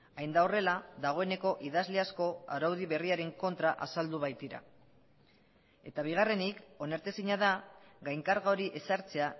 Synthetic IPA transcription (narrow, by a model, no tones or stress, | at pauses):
ajnd̪ao̞re̞laðaɣ̞o̞e̞ne̞ko̞ʔiðazle̞asko̞a̰ɾawð̞iβ̞e̞riaɾe̞ŋko̞nt̪ɾaʔasald̪uβ̞ajt̪iɾa̰ | e̞̰t̪aβ̞iɣ̞are̞niko̞naɾt̪esiɲað̞aɣajŋkaɾɣaoɾiʔe̞saɾt͡se̞a